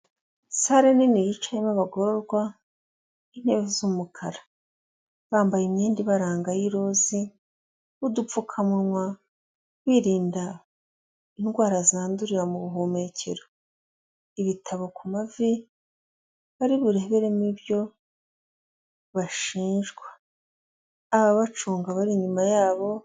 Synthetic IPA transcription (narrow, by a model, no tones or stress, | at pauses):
saɾeninijit͡ʃajimaβaɡo̞ɾo̞ɾɡwa | in̥heːvizumukʰaɾa | βaːmbajimɲiːndiβaɾaːŋɡajiɾo̞zi | βudufukʰamuɾmwa | wiːɾiːnda | inɡwaːɾazaːnduɾiɾamuβuɦome̞cʰe̞̰ɾo | iβitʰaβo̞kumavi | βaɾiβuɾe̞βe̞ɾemibjo̞ | βaʃiːnʒɡwḁ | βaβat͡ʃuːŋɡaβaɾiɲumajaːβo̞